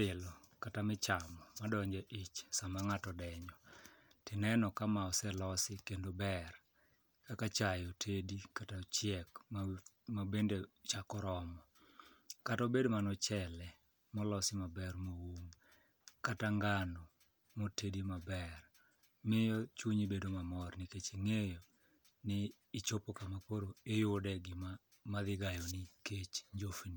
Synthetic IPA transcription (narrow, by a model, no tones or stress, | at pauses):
ɪlɔkatamɪt͡ʃamɔmadɔɲd͡ʒɛʔit͡ʃsamaŋatɔdɛɲɔtɪnɛnɔkamaɔsɛlɔsɪkendobɛr | kakat͡ʃajotʰedikatat͡ʃjɛka | mabendet͡ʃakɔɾɔmɔ | katobedmanɔt͡ʃɛlɛ | mɔlɔsɪmabɛrmowuŋ | kataŋɡano | motedimabɛr | mɪjɔt͡ʃuɲibedomamɔrnɪket͡ʃiŋejɔ | nɪː | t͡ʃopokamapoɾoejʊdɛɡɪma | maðɪɡajɔnɪket͡ʃɲd͡ʒofni